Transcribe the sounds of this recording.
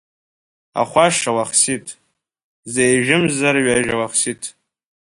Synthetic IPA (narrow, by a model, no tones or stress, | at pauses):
a̰χʷaʂawaχsitʼ | zejʒᶣɪmzaɾɥaʒawaχsitʼ